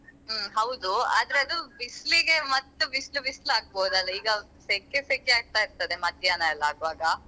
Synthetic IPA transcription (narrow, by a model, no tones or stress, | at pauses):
ɦɐwd̪ua̰ːd̪ɐɾeɐd̪ubisliɡe̞mɐt̪ːubislubislaːɡ̚boːd̪ɐlːɐiːɡɐ | seːkeseːkeaːɡ̚t̪aiɾt̪ɐd̪e̞mɐd̪jaːnɐɛlːaːɡʋaːɡɐ